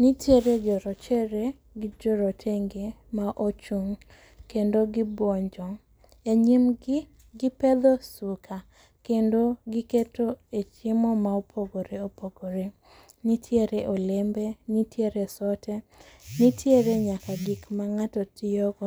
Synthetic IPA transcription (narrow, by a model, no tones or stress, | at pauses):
nitjeɾed͡ʒɔɾɔt͡ʃeɾe | ɡɪd͡ʒɔɾɔtʰeŋɡemaʔot͡ʃuŋ | kendoɡɪbɔɲd͡ʒɔŋ | eɲim | ɡɪpɛd̪osukʰa | kendoɡɪketoet͡ʃɪmɔmaopʰoɡoɾeopoɡoɾe | nitʰjeɾeʔolembenitʰjeɾesɔtʰɛnitjeɾeɲakaɡikmaŋatɔtɪɔɡɔ